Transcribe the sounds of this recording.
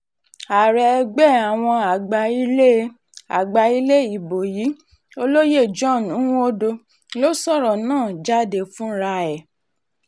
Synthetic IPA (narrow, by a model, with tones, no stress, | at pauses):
a˨ɾɛ˨˧ɡ͡bɛ˦˨a˨w̃ɔ̃˧a˨ɡ͡ba˧i˦le˦ | a̰˨ɡ͡ba˧i˦le˦i˨bo˨ji˨˦ | o˧lo˦je˦˨d͡ʒɔ˦˨n˨ũ˨˦o˦do˧ | lo˦sɔ˦˨ɾɔ˨nãː˦˨d͡ʒa˦˨de˧˨fũ˦ɾa˧ɛ˨